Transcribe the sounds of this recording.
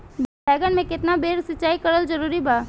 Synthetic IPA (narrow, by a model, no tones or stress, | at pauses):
b | ɛːɡənmẽkɪt̪nabeːɾsɪtːt͡ʃaːikɐɾəld͡ʒɐɾuːɾibaː